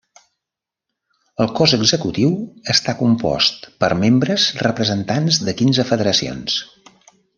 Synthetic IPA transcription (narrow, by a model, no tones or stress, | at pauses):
əlˠkɔzəɡzəkut̪iwəst̪akumpɔ̰st̪pəɾmembɾəzrəpɾəzənt̪anzðəkinzəfəðəɾəsio̰ns